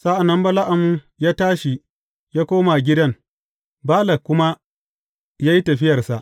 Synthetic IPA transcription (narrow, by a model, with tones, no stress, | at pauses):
sa˦ʔa˨nːɐ˦mbɐ˦la˦ʔa˨mu˦ | jaː˦taː˦ʃi˨ | jaː˦kʷoː˦ma˨ɡʲɪ˦dɐ˦ŋ | baː˦lɐ˨kʷːʊ˦ma˦ | jaː˦ji˦tɐ˨ɸɪ˦jɐ˨rsa˨ʔ